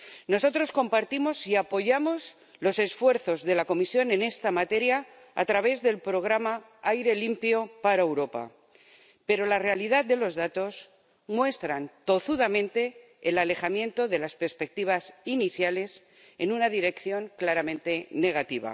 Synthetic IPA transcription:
no̞so̞t̪ɾo̞sko̞mpaɾt̪imo̞siapo̞ʝamo̞z | lo̞se̞sfwe̞ɾθo̞zðe̞lako̞misjo̞nẽ̞ne̞st̪amat̪e̞ɾja̰ː | t̪ɾaβ̞e̞zðe̞lpɾo̞ɣ̞ɾama | ajɾe̞limpjo̞paɾaewɾo̞pa̰ | pe̞ɾo̞lare̞alið̞aðd̪e̞lo̞zðat̪o̞s | mwe̞st̪ɾant̪o̞θuðamẽ̞nt̪e̞ː | lale̞xamje̞nt̪o̞ðe̞laspe̞ɾspe̞k̚t̪iβ̞asiniθjale̞s | e̞nunaðiɾe̞kθjo̞ŋklaɾamẽnt̪e̞ne̞ɣ̞at̪iβ̞a̰

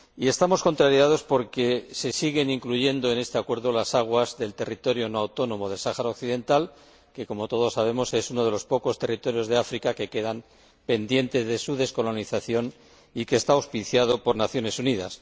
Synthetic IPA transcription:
ie̞st̪amo̞sko̞nt̪ɾaɾjað̞o̞spo̞ɾke̞se̞siɣe̞niŋkluʝe̞nd̪o̞e̞ne̞st̪e̞akwe̞ɾðo̞lasaɣ̞wazðe̞lt̪e̞rit̪o̞ɾjo̞noawt̪o̞nõ̞mo̞ð̞e̞lsaxaɾaokθiðe̞nt̪al | ke̞ko̞mo̞t̪o̞ð̞o̞sːaβ̞e̞mo̞se̞suno̞ð̞e̞lo̞spo̞ko̞st̪e̞rit̪oɾjo̞zðe̞afɾikake̞ke̞ðam | pe̞nd̪je̞nt̪e̞zðe̞suð̞e̞sko̞lo̞niθaθjo̞n | ike̞ːst̪aawspiθjað̞o̞po̞ɾnaθjo̞ne̞suniða̰s

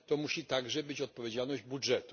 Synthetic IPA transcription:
t̪ɔmuɕit̪aɡʐɛbɘt͡ɕɔt̪̚pɔvʲed͡ʑalnɔʑd͡ʑbudʐɛt̪u̥

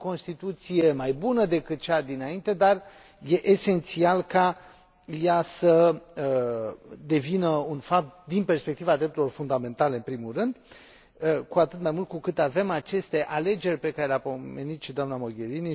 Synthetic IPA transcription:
ko̞nst̪it̪ut̪sije̞majbunəd̪e̞kɨt̪̚t͡ʃad̪inaint̪e̞d̪ar | je̞ʔese̞nt̪sialka | jasəə | d̪e̞vinəunfap̚t̪̚d̪inpe̞rspek̚t̪ivad̪ɾep̪̚uɾilo̞rfund̪amẽ̞nt̪aleɨnpɾimulrɨnd̪ | kuat̪ɨt̪majmult̪̚kukɨt̪ave̞mat͡ʃe̞st̪e̞ʔale̞d͡ʒe̞rʲpe̞kaɾe̞leapome̞nit̪ʃid̪oamnamo̞ɡʲe̞ɾini

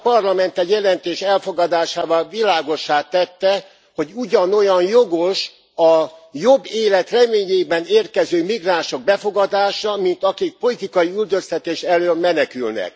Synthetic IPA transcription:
pɒrlɒmɛnt̪ɛjɛlɛnt̪eːʃɛlfo̞ɡɒd̪aːʃaːvɒlvilaːɡo̞ʃːaːt̪ːɛt̪ːɛ | ho̞ɟuɟɒno̞jɒnjoɡo̞ʃ | ɒjobːeːlɛt̪rɛmeːɲeːbɛneːrkɛzøːmiɡraːnʃo̞ɡ̚bɛfo̞ɡɒd̪aːʃɒmint̪ɒkik̚po̞lit̪ikɒjiyld̪øst̪ɛt̪eːʃɛløːmːɛnɛkylnɛ̰k

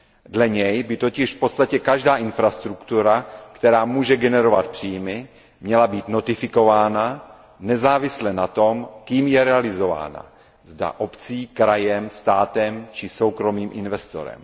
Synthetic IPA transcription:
dlɛɲɛjbɪt̪o̞cɪʃfpo̞t̪st̪acɛkaʒdaːʔɪnfɾast̪ɾukt̪uɾakt̪ɛɾaːmuːʒɛɡɛnɛɾo̞va̰t̪̚pr̥iːmɪ | mɲɛlabiːt̪no̞t̪ɪfɪko̞vaːna | nɛzaːvɪslɛnat̪o̞mkiːmjɛɾɛalɪzo̞va̰ːna̰ | zda̰ʔo̞pt͡siːkɾajɛmst̪aːt̪ɛmt͡ʃɪso̞wkɾo̞miːmʔɪnvɛst̪o̞̰ɾɛ̰m

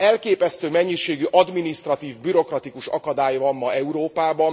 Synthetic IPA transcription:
ɛlkeːpɛst̪øːmɛɲːiʃeːɡyʔɒd̪minist̪rɒt̪iːvbyɾo̞krɒt̪ikuʃɒkɒd̪aːjvɒmːɒɛuɾoːpaːbɒn

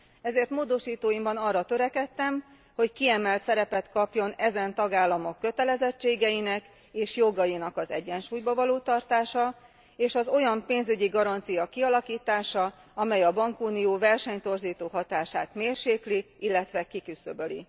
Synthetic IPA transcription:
ɛzeːrt̪moːd̪o̞ʃiːt̪oːjimbɒnɒrːɒt̪øɾɛkɛt̪ːɛm | ho̞ckiɛmɛlt̪sɛɾɛpɛt̪kɒpjo̞nɛzɛnt̪ɒɡaːlːɒmo̞kːø̞t̪ɛlɛzɛt͡ʃːeːɡɛjinɛk | eːʃjo̞ɡɒjinɒkɒzɛ̰ɟːɛnʃuːjbɒvɒloːt̪ɒrt̪aːʃɒ | eːʃɒzo̞jɒmpeːnzyɟiɡɒɾɒnt̪sijɒkiɒlɒkiːt̪aːʃɒ | ɒmɛjɒbɒŋkuːnijoːvɛrʃɛɲt̪o̞rziːt̪oːɦɒt̪aːʃaːt̪meːrʃeːkliilːɛt̪ʋɛkikysøbølḭ

